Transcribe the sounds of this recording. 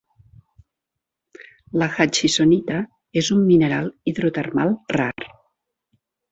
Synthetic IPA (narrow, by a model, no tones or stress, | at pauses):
ləxat͡ʃisonit̪a | ezumːinəɾalˠiðɾut̪ərmalˠra̰r